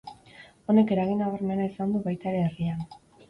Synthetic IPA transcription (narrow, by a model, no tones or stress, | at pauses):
o̞ne̞ke̞ɾaɣ̞inaβaɾme̞naisand̪uβajt̪aeɾe̞ːrian